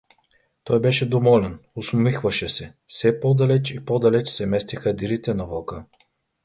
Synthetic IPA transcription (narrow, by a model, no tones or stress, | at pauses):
t̪ɔjbɛʃɛd̪ovɔlɛnʊsmmixvɐʃɛsɛ | sɛpɔd̪ɐlɛt͡ʃipɔd̪ɐlɛt͡ʃsɛmɛst̪ixɐd̪iɾit̪ɛnɐvɔkə